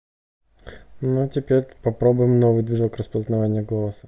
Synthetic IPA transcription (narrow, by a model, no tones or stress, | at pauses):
nutʲɪpʲeɾʲpɐpɾobʊjɪmnovɨjd̪vʲiʐakrəspəznɐvanʲɪjəɡolˠəsə